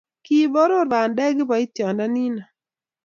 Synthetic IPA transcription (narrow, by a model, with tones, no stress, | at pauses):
ki˦bɔ˦ɾo˦ɾa˨ndɛ˦ɡɪ˦bɔ˨i˦tjɔ˨nda˦ni˦na˨